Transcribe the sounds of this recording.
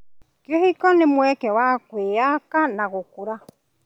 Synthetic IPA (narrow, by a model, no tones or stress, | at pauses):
kjohikɔnemwɛkɛwakweːakanaɣokuɾa